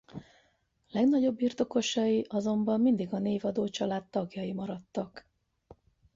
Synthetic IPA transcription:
lɛɡnɒɟo̞bːirt̪o̞ko̞ʃɒjiʔɒzo̞mbɒmːind̪iɡɒneːvɒd̪oːt͡ʃɒlaːt̪ːɒɡjɒjimɒɾɒt̪ːɒk

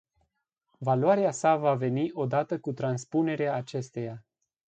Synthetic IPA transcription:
valoaɾeasavave̞niʔo̞d̪at̪əkut̪ɾanspune̞ɾeaːt͡ʃe̞st̪e̞ja

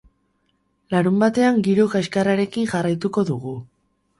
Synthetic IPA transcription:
laɾumbat̪e̞aŋɡiɾokaskaraɾe̞kiŋʝarajt̪uko̞ðuɣ̞u

